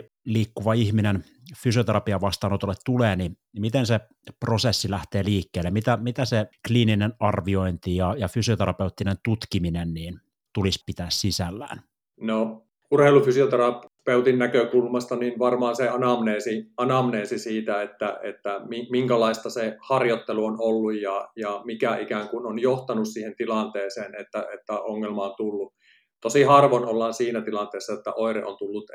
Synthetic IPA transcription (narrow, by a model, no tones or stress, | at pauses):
liːkːuʋɑihminen | fysiot̪eɾɑpiɑʋɑst̪ɑːnot̪olːet̪t̪uleːninimit̪ense | prosesːilæht̪eːliːkːeːlːemit̪æmit̪æsekliːninenɑrʋioint̪ijɑjɑfysiot̪eɾɑpeut̪ːinent̪ut̪kiminenniːn | t̪ulispit̪æːssisælːæ̰ːn | no | urheilufysiot̪erɑpeut̪inːækøkulmɑst̪ɑninʋɑrmɑːnseɑnɑmneːsiɑnɑmneːsisiːt̪æet̪ːæḛt̪ːæmimiŋkælɑist̪ɑsehɑrjot̪ːeluonolːujjɑjɑmikæikæːŋkunonjoht̪ɑnussiːhent̪ilɑnt̪eːseːnet̪ːæet̪ːæoŋːelmɑont̪ulːu | t̪osihɑrʋonolːɑːnsiːnæt̪ilɑnt̪eːsːɑjot̪ːæ̰ʔoirḛʔo̰nt̪ulːut̪